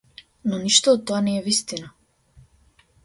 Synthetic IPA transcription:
nɔniʃt̪ɔːt̪ːoanɛːvist̪ina

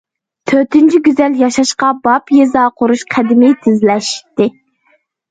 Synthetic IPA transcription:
t̪ʰøɾt̪ynt͡ʃʰiɡʲyzɛljɑʃɑʃqɑbɑpjezɑːqʰʊɾuʃqʰæd̪ɪmɪt̪ʰɪzlɛʃt̪ɪ

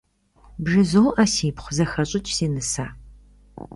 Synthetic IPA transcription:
bʒɨzoːʔɐsiːpχʷʊzɐxɐɕʼɪt͡ʃʼseːnɨsaː

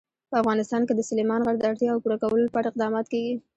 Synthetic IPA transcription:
pəafɣɑnɪst̪ɑnked̪əsʊlemɑnɣaɡ̚d̪əaɽt̪jɑːwpuɾakawəlpaɽaɪq̚d̪ɑmɑt̪keɡi

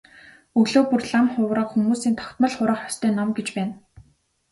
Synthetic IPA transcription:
ɵɣɮoːpurɮamχʊwrə̆qxumuːsiːnt̪ʰɔ̥kt̪mə̆ɮχʊɾə̆χɔst̪ʰœːnːɔmɡet͡ɕpæːn

